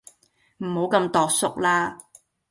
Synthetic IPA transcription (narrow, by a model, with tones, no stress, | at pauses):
m̩˨˩ho˨˥wkɐ˧mt̪ɔː˨k̚sʊ˥k̚laː˥